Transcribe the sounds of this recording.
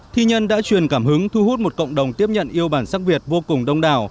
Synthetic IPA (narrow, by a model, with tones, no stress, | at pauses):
t̪ʰi˧ɲə˧nɗa̰ː˧˥t͡ɕwi˨˩ənkaː˧˩mhɨ˨˦ŋt̪ʰu˧hu˦˥t̚mo˨˩t̚kə̰˧˨wŋ͡mɗə˨˩wŋ͡mt̪i˦˥əp̚ɲə̰˧˨nʔi˧əwɓaː˧˩nsaː˦˥k̚vi˨˩ət̚vo˧kʊ˨˩ŋ͡mɗə˧wŋ͡mɗa̰ː˧˨˩w